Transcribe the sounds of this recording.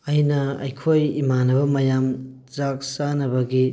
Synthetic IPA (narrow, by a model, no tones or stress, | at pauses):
ɐjnɐɐ̰jkʰojimanɐbɐmɐjam | t͡ʃak̚sanɐbɐɡi